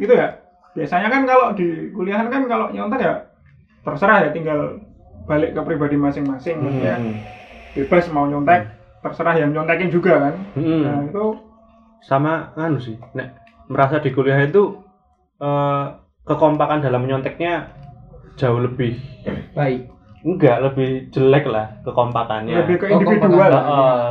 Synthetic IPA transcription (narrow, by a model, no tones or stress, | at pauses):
ɡit̪uja | b̥iasaɲakankaloʔd̥ikulijaɦankankaloʔɲɔnt̪ɛkja | t̪ərsəɾahjat̪iŋɡal | b̥alɪʔkəpɾibadimasɪŋmasɪŋija | b̥eb̥ərsmauɲɔnt̪ɛk̚ | t̪ərsəɾahjamɲɔnt̪ɛkɪnd͡ʒuɡakanm̩m̩nait̪u | samamanusɪhnɛʔ | məɾasad̥i̤koliaɦit̪u | ʔə | kəkɔmpakandalamːəɲɔnt̪ɛk̚ɲḁ | d͡ʒ̥aoləb̥ɪhb̥aɪk̚ | uɡaʔləbɪhd͡ʒ̥əlɛk̚lahkəkɔmpakanɲaləbɪhkəinndividualɔɔ